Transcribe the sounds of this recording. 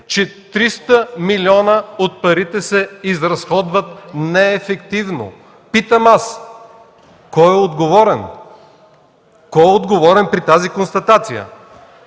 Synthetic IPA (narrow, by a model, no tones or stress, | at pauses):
t͡ʃɛt̪ɾist̪əmilʲiɔnəot̪̚pɐɾit̪ɛsɛizɾɐsxɔd̪vət̪nɛːfɛkt̪ivno̰ | pit̪əmas | kɔjɛod̪ɡovɔɾɛn | kɔjɛod̪ɡovɔɾɛnpɾit̪azikonst̪ɐt̪at̪sijə̰